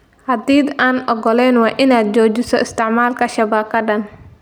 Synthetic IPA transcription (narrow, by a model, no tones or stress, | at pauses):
hɐd̪iːd̪aːnʔɔɡɔlɛːnwɑːʔɪnaːd̪̚t͡ʃɔːt͡ʃɪsɔʔɪst̪ʰɪʕmaːlkʰɐʃɐβɐːb̚kʰɐɖɐn